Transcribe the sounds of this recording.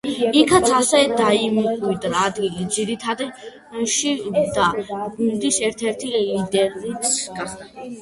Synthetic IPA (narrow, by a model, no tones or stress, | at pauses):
ikʰat̪sʰasɛd̪aimuqʼwid̪ɾaːd̪ɡilid̪ziɾit̪ʰad̪i | ʃid̪aɡund̪isɛɾt̪ʰɛɾt̪ʰilid̪ɛɾnisɡa